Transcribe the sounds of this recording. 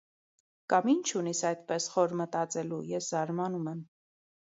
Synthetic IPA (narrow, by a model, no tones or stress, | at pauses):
kɑmint͡ʃʰunisɑjt̪pɛsχɔɾmət̪ɑt͡sɛlujɛszɑɾmɑnumɛm